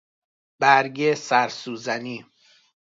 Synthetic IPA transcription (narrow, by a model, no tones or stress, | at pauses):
b̥æɾɟesæɾsuːzæniː